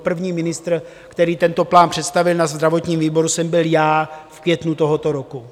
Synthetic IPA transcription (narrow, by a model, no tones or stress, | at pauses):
pr̩vɲiːmɪnɪst̪ɾ | kt̪ɛɾiːt̪ɛnt̪o̞plaːnpr̥ɛt̪st̪avɪlnazd̪ɾavo̞t̪ɲiːmviːbo̞ɾusɛmbɪljaːfkvjɛt̪nut̪o̞ɦot̪o̞ɾoku